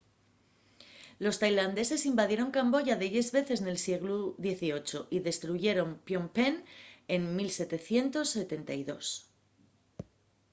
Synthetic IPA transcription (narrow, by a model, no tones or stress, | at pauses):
lo̞st̪ajland̪e̞se̞simbaðje̞ɾo̞ŋkambo̞ʝaðe̞ðe̞zβe̞θe̞sne̞lsje̞ɣ̞luðje̞θio̞t͡ʃo̞ʔiðe̞st̪ɾuʝe̞ɾo̞mpjo̞mpene̞nmilse̞t̪e̞θje̞nt̪o̞sːe̞t̪e̞nt̪ajðo̞s